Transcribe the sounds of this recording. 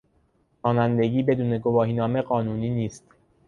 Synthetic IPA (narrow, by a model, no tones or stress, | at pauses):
ɒːnænd̪e̞ɟiːbe̞d̪uːne̞ɡovɒːɦiːnɒːme̞ɢɒːnuːniːniːst̪